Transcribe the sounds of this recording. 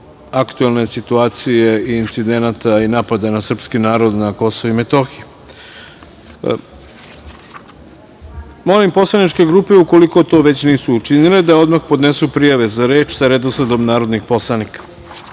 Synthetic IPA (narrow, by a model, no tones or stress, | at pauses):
akt̪uelˠne̞sit̪uaːt̪sije̞iːnt̪sid̪e̞nat̪ainapad̪anasr̩pskinaːɾo̞d̪nako̞soʋimet̪o̞xi | mo̞limpo̞slˠanit͡ʃke̞ɡɾuːpe̞uko̞liko̞t̪o̞ːʋe̞t͡ɕniːsuːt͡ʃiniled̪ao̞d̪maxpo̞d̪nesupɾijaʋe̞zaɾe̞ːt͡ʃsaɾed̪oslad̪omnaːɾo̞d̪nixpo̞slˠanikḁ